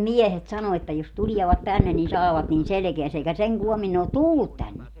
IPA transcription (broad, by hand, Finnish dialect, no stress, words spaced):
miɛhet sɑno etːæ jos tuliɛʋɑt tænːe nin sɑːʋɑt nin selĕkeæsæ eikæ seŋ kuomin ne ot tulːut tænːe